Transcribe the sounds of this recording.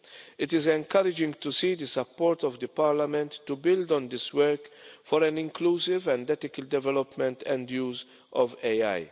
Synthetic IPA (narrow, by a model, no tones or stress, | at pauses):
ɪt̪ɪzɛ̃ŋkɐɾɪd͡ʒɪ̃ŋɡt̪usiːd̪əsɐpːɔːɾt̪ɔvd̪əpaɾlamɛ̃nt̪ːubɪld̪ɔ̃nd̪ɪswɛɾkfɔɾɛnɪ̃ŋkluːsɪvɛ̃nd̪ɛt̪ɪkəld̪ɛvɛlɔpmɛ̃nt̪ʰɛ̃nd̪juːz | ʔɔvea̰j